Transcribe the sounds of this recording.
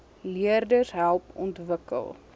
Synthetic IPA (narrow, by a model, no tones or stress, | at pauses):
liərdəsɦælˠpɔ̰ntvəkə̰lˠ